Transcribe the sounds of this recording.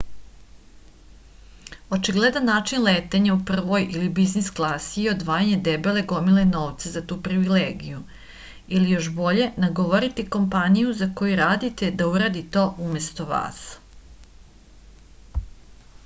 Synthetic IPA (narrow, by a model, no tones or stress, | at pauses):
o̞t͡ʃiɡled̪anːaːt͡ʃinleːt̪eɲaupr̩ʋo̞jilibiznisklˠasiio̞d̪ʋaːjaɲed̪ebele̞ɡo̞mileno̞ːʋt̪sazat̪uːpɾiʋileːɡiju | ilijo̞ʃbo̞ʎe̞naɡoʋoɾit̪iko̞mpanijuzako̞juɾaːd̪it̪e̞d̪auɾad̪it̪o̞ːʔumest̪o̞ʋa̰ːs